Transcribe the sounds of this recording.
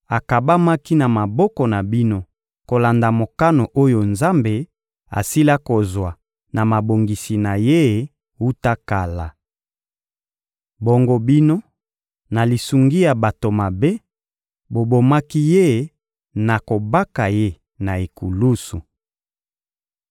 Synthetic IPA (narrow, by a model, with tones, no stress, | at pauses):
a˨ka˨ba˦ma˦ki˦na˨ma˨bɔ˦kɔ˨na˨bi˦no˦ | ko˨la˨nda˨mo˨ka˦no˨ʔo˦jo˨nza˦mbe˨ | a̰˨si˦la˦ko˨zwa˨ | na˨ma˨bo˨ŋɡi˨si˨na˨je˦˨ | u˦ta˦ka˨la˨ | bo˨ŋɡo˦bi˦no˦ | na˨li˨su˨ŋɡi˦ja˨ba˨to˨ma˨be˦ | bo˨bo˨ma˦ki˦je˦˨ | na˨ko˨ba˦ka˨je˦ | na˨e˨ku˨lu˦su˨